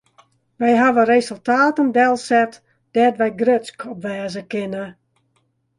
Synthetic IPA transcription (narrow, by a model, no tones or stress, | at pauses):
ʋɛjɦaʋərezəlˠtaːtəndɛlˠsɛt | d̥ɛtʋɛjɡrøt͡skʰɔpʋɛːzəkɪnə